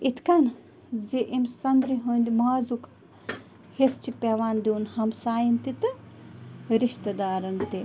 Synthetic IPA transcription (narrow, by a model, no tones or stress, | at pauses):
it̪ʰkɐn | zeʔimsɐnd̪ɾiɦuːnd̪imaːzuk | hest͡ʃipʲeʋaːnd̪iunhɐmsaːjint̪it̪ɨ | ɾiʃt̪ɐd̪aːɾɐnt̪i